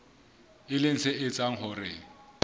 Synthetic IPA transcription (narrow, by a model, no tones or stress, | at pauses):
ɪlɪŋ̩sɪʔɪt͡sʼaŋ̩ɦʊrɪ